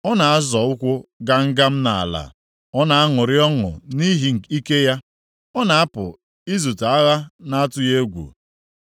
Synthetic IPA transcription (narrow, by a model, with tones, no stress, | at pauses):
ɔ˦na˨a˦zɔ˨ʊ˦kʷʊ˦ɡa˦ŋ̩˦ɡa˦m̩˦na̰˨a̰˨la̰˨ | ɔ˦na˨a˦ŋʊ˨ɾɪ˦ɔ˦ŋʊ̰˨ni˦ɦi˦˨i˦ke˦ja˦ | ɔ˦na˨a˦pʊ̰˨ | i˦zu˨ta˨a˦ɣa˦na˦a˦tʊ˦je˦ɡʷṵ˨